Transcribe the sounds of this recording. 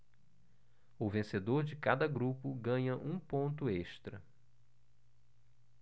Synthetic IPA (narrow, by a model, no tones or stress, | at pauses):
ʊvẽsed̪oɾd͡ʒɪkad̪ɐɡɾupʊɡɐ̃ɲɐʔũpõnt̪ʊeʃt̪ɾɐ̰